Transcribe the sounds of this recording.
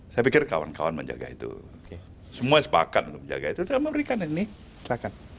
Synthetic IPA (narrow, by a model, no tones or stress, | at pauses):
sajapikɪrka̰wa̰nkawanmə̰ɲd͡ʒa̰ɡa̰ḭt̪ṵ | səmuasə̥pa̰kat̪̚unt̪ʊk̚məɲd͡ʒa̰ɡait̪udməmɾikaninɪh | səlakan